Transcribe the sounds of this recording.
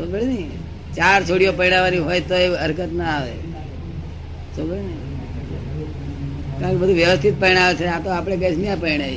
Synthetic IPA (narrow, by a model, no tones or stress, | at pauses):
sobəɭenəi | t͡ʃaɾt͡ʃʰoɽijopəɾiɽaʋaniɦojt̪oeəɾkət̪naːʋḛ | sobəɭenəi | kãkebəd̪ʱũʋjəʋəst̪ʰit̪̚pəɾiɽ̃aʋet͡ʃʰeat̪oapɽ̃eɡəsniãpəɾiɽ̃ai